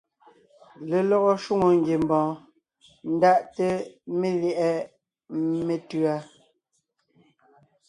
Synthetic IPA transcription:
le˨lɔ˦ɣɔ˦ʃu˦ŋo˨ŋ˦ɡje˨m˨bɔ̃ː˨ | n̩˦da˦ʔte˦me˦ljɛ˦˨ʔɛ˦ | me˨tɰa˦

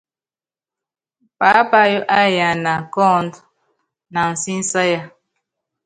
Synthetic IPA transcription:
pa˨˦pa˦jo˦ʔa˦ja˨na˨kɔ˦˨nd | na˨n̩˨si˦n̩˦sa˦ja˦˨

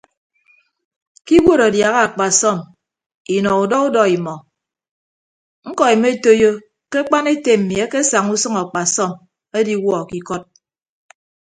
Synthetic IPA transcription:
ki˦ɡo˦˨ɾa˨dja˨ɣa˦a˨k͡pa˨sɔ˦˨m | i˨nɔ˨u˨dɔ˦u˦dɔ˦i˨mɔ˨ | ŋ̩˦kɔ˨i˨me˦e˦to˦jo˦ | ke˦k͡pa˦ne˦te˨m̩˨mi˨e˦ke˦sa˨ŋu˦sʌ˦ŋa˨k͡pa˨sɔ˦˨m | e˦di˦wɔ˦˨ki˦kɔ˦t̚

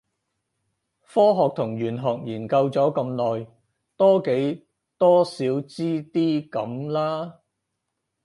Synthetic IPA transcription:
fɔː˥ɦɔː˨k̚t̪ʰʊ˨˩ŋɥyː˨˩nɦɔː˨k̚jiː˨˩nkɐ˧wt͡sɔː˨˥kɐ˧mlɔː˨j | t̪ɔː˥ke˨˥j | t̪ɔː˥siː˨˥wt͡siː˥t̪iː˥kɐ̰˨˥mlaː˥

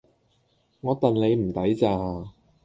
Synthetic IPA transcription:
ŋɔː˨˧t̪ɐ˨nle˨˧jm̩˨˩t̪ɐ˨˥jt͡saː˧

